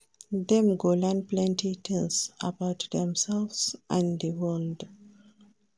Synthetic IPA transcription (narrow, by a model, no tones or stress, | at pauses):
ðɛ̃mɡolãnplɛ̃ntit̪ĩŋsabaʊtdɛ̃msɛlvsʔãndəwɜld